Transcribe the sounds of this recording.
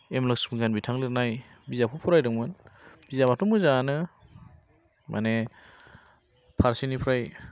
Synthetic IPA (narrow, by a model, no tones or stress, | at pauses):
emlaksmŋɡanbitʰaŋliɾnaj | bizapʰupʰuɾajdɯŋmɯnb̥izabatɔmuzanɯ | mʔa̰ne | pʰaɾsinipʰɾaj